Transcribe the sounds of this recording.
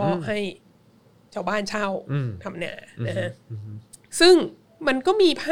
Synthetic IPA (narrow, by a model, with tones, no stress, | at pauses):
ɔ˦˥˩ɦa˥˩j | t͡ɕʰaː˥˩wbaː˥˩nt͡ɕʰa˥˩wt̪ʰa˧mna̰ː˧˩na˦˧kʰa˦˥ | sɯ˥˩ŋ | ma˧nkɔː˥˩miː˧pʰaː˥